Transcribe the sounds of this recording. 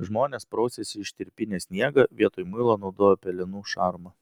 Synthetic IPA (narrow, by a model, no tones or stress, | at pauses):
ʒmoːnʲeːspɾɔʊsʲesʲɪɪʃt̪ʲɪɾʲpʲɪnʲeːsʲnʲiɛɡɐʋʲiɛt̪oːjmʊɪlˠɐnɒʊd̪oːjopʲɛlʲɪnuːʃɑɾmɐ